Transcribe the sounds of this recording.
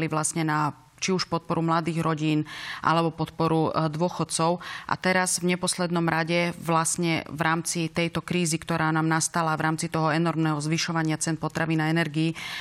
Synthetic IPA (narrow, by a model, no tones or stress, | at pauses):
liʋlasɲɛna | t͡ʃiuʃpɔt̪̚pɔɾumlad̪iːɣɾɔɟiːnʔa̰lɛbɔpɔt̪pɔɾud̪ʊɔxɔt̪t͡sɔʊʔa̰t̪ɛɾazvɲɛpɔslɛd̪nɔmɾaɟɛʋlasɲɛvɾʔaːmt͡sit̪ɛjt̪ɔkɾiːzikt̪ɔɾaːnaːmnast̪alavɾaːmt͡sit̪ɔɦɔɛnɔɾmnɛːɦɔzʋiʃɔʋaɲɪat͡sɛnpɔt̪ɾaʋiːnaɛnɛɾɡiː